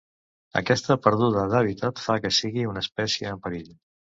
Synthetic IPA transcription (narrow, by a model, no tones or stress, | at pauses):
ə̰kɛst̪əpəɾð̞uð̞əðəβ̞it̪ət̪fakəsiɣiunəspɛsjiəːmpəɾiʎ